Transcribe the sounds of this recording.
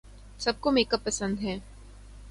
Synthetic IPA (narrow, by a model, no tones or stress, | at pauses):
sɐb̚komeːkəpːɐsə̃nd̪ɦɛ̃ː